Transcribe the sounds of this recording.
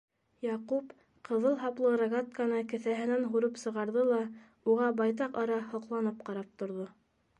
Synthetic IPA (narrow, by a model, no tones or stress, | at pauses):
jɑqup | qʰɤ̆ðɤlˠɦɑplˠɤɾaɡat̪̚kanɤkɘ̆θæɦɘ̆nænɦuɾɤpsɤ̆ʁɑɾðɤlˠɑ | uʁɑbɑjt̪ɑqɑɾɑhŏqlˠɑnɤpqɑɾɑp̚t̪ŏɾðo